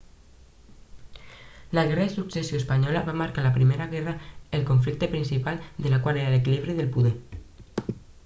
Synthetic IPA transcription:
laɣ̞ɛraðesuksesjoespaɲɔlaβamaɾkalapɾimeɾaɣɛraelkoɱflik̚t̪epɾinsipald̪elakwaleɾaelekiliβ̞ɾiðelpuðe

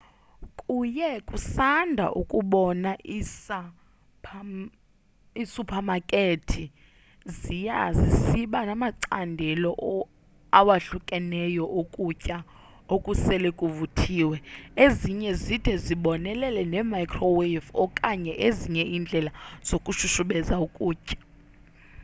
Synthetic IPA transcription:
kʼujɛkʼusandʱa̰ʔukʼuɓɔnaʔisʰ | isupʰamakʼetʰi | zijazisiɓanamaǀa̰ndʱɛlɔʔ | awaɬukʼɛnɛjɔʔokʼucʼa | okʼusɛlɛkʼuvutʰiːwɛeziɲɛzid̥ʰʱɛziɓɔnɛlɛlɛnɛmajkʰrɔwefɔkʼaɲɛʔeziɲɛind͡ɮʱɛlaz̥okʼuʃuʃuɓɛzaukʼuːcʼḁ

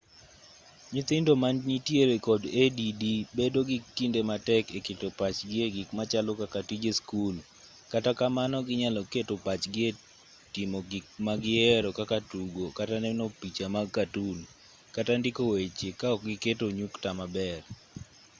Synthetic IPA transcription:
ɲit̪ɪndomanɲitjeɾekɔdedidibedoɡitindematɛkeketopat͡ʃɡɪeɡikmat͡ʃalokakatid͡ʒeskul | katakamanɔɡɪɲalɔketopat͡ʃɡɪe | timoɡɪk̚maɡɪɛɾɔkakatuɡokatanɛnopit͡ʃamaɡkatul | katandɪkowet͡ʃekaɔk̚ɡɪketoɲuktamabɛr

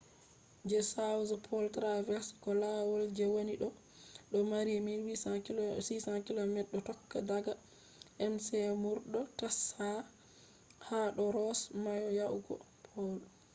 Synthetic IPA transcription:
d͡ʒɛsawzpʰɔltɾavɛɾskɔlawɔld͡ʒɛwoniɗɔ | ɗɔmaɾimiwisisakilɔmɛɗːɔtɔkːadaɡa | ʔɛmsɛmuɾɗɔtasha | haɗɔɾɔsmajɔjawɡɔ̰ | pʰɔl

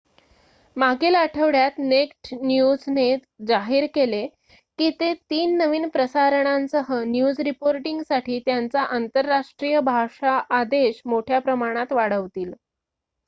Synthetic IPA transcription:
maɡelaʈʰəʋɽjat̪nekʈnjud͡zne | d͡zaɦiːɾkele | kiːt̪et̪iːnːəʋiːnpɾəsaɾəɳ̃ansəɦənjud͡zɾipoɾʈiŋɡsaʈʰiːt̪jant͡saʔant̪əɾːaʂʈɾijəbʱaʂaʔːd̪eɕmoʈʰjapɾəmaɽ̃at̪ʋaɽ̤əʋt̪iːl

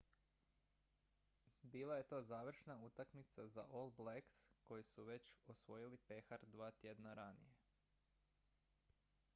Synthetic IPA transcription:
biːlˠaje̞t̪o̞ːzaːʋr̩ʃnaut̪akmit̪saza̰ʔolˠbleksko̞jisuʋe̞t͡ɕosʋo̞jilipe̞xaɾd̪ʋaːt̪je̞d̪naɾanḭje

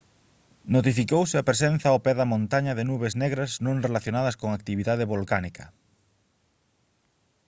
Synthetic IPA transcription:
not̪ifikowsɪapɾesen̟θɐopɛðɐmõnt̪aɲɐðɪnuβeznɛɣɾɐznõŋrelaθjonaðɐskoŋakt̪iβiðaðɪβolkanikʰɐ

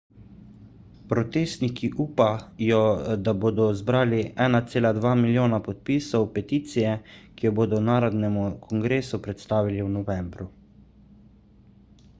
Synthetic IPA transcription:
pɾɔt̪eːst̪nikʰiʔuːpajɔd̪aboːd̪ɔzbɾaːliɛːnat̪seːlad̪ʋaːmiljoːnapɔt̪̚piːsɔwpɛt̪iːt̪sijɛkijɔboːd̪ɔnaːɾɔd̪nɛmukʰɔŋɡɾeːsupɾɛt̪st̪aːʋiliwnɔʋɛːmbɾu

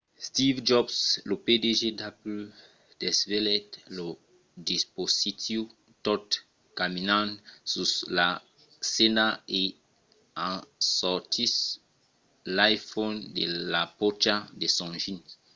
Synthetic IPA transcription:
stivd͡ʒɔbslopedeʒedapll | d̥ɛsvelɛtlo | dispositiu | tɔt | kaminãnsula | senae | ãsɔtʰis | lajfondelapot͡ʃadesɔ̃ʒin

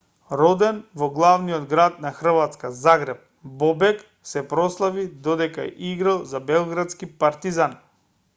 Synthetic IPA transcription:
ɾɔd̪ɛnvɔɡlˠavniɔd̪ɡɾat̪̚naxr̩vat̪skazaɡɾɛp̚ | bɔbɛk | sɛpɾɔslˠavid̪ɔd̪ɛkaɛ̰ʔiɡɾalˠzabɛlˠɡɾat̪skipaɾt̪izan

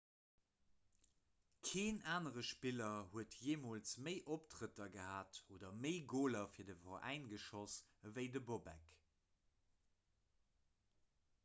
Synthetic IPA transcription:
kʰeːnaːnəʁəʃpilɐhuətʰjeːmoːlt͡sməɪʔoptʁətɐɡəhaːtʰoːdɐməɪɡoːlɐfiːɐdəfɐʔæ̰ɪnɡəʃɔsvəɪdəbobɛ̰k

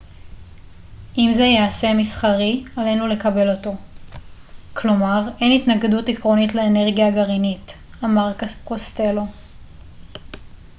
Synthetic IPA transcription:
ʔimzejease̞misχaʁialenule̞kabe̞lo̞to̞ | kʰlo̞maʁe̞nitnaɡedutikʁo̞nitleːne̞ʁɡijaɡaʁinit | amaʁkost̪e̞lo̞

